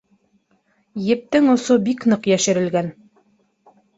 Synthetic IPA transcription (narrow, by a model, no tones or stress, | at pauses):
jɘ̆p̚t̪ɘŋŏsobiknɤqjæʃɘ̆ɾɘ̆lɡæn